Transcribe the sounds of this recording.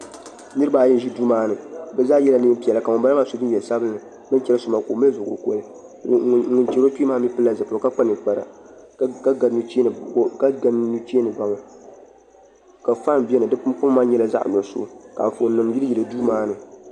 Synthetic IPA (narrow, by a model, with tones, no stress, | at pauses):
nɨ˦ɾɨ˦baː˨˦˨jɛ˦n˦ʒi˦duː˦maː˦nɨ˨bɛ˦zaː˦jɛ˦la˨nɨ˦pi˨ɛ˨la˨ka˨mʊ˨ba˦a˦maː˦so˨bɨ˦n˦ɛ˨lsa˦bɨ˦nːɨ˨ | bɨ˦n˦t͡ʃɛ˦lɨ˦su˨ma˨ko˨mɛ˦zʊ˨ɡʊ̰˨ko̰˦lɨ˦ | ŋʊ˨nt͡ʃɛ˨˦ɾo˦ti˦maː˦mi˦pɨ˦lːa˨zɨ˨po˨ka˦k͡pa˦nɨ˨k͡pa˨ɾa̰˨˦ | ka˦ɡa˨˦nu˦t͡ʃe˦˨˦ka˦ɡa˨nu˦t͡ʃeː˦nɨ˨ba˦ŋɔ˨ | ka˨fa˦n˨bɛ˦nɨ˨dɨ˦pʊ˦maː˦ɲɛ˦la˦za̰˦ʔno˨sʊ̰˦ka̰˨ɱ˨fo˨˦nɨ˨mji˦ɨ˦ji˨lɨ˨du˦maː˦nɨ˨